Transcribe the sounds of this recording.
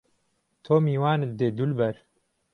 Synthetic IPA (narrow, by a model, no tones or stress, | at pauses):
t̪ʰoːmiːwaːnɨd̪eːd̪ulbɛɾ